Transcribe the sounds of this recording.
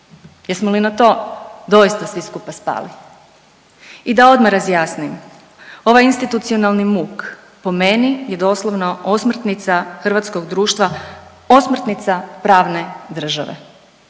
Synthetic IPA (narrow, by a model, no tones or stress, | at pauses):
jeɾsmolinat̪o̞ːd̪o̞jist̪asʋiskupaspa̰ːli | id̪ao̞d̪maɾazjaːsnim | o̞ʋajinst̪it̪ut̪sio̞nalˠnimuk | po̞menijed̪o̞slˠoʋnoosmr̩t̪nit̪saxr̩ʋaːt̪sko̞ɡd̪ɾuːʃt̪ʋa | osmr̩t̪nit̪sapɾaːʋne̞d̪r̩ʒa̰ʋḛ